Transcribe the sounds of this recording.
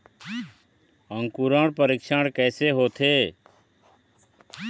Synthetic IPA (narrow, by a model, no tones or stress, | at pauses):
ə̃ŋkuɾãːɽpəɾɪkʃaːɽkɛːseːɦoːt̪ʰeː